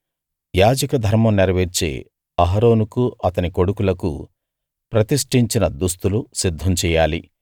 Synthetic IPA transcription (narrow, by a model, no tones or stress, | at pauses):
jaːd͡ʒɐkɐd̪ʱɐɾmɐmniɾɐʋeɾt͡ʃḛː | ɐɦɐɾo̞ːnukuʔɐt̪ɐniko̞ɽukulɐkṵ | pɾɐt̪iʂʈiɲt͡ʃinɐd̪ust̪ulusid̪ʱːɐmt͡ʃɛːjaːli